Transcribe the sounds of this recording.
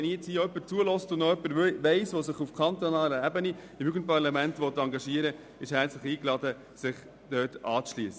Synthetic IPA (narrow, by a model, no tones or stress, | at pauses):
ɛnijɪt͡shiːœpːəɾt͡suəlɔstʊnnɔœpːəɾʋɛɪsʋosɪχufkʰɑnt̪onɑːləɛbəniɪmyɡən̚pʰɑɾlɑmæntʋɔt̪ːɑŋɡɑʃiəɾə | ɪʃhɛɾt͡slɪχiːklɑd̪ə | sɪχ | d̥œːtɑːt͡sʃliəsə